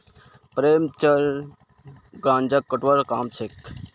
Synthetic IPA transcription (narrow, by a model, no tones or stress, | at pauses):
pɾeːmt͡ʃəɾ | ɡãːnd͡ʒəkːəʈʋəɾkaːmt͡ʃʰek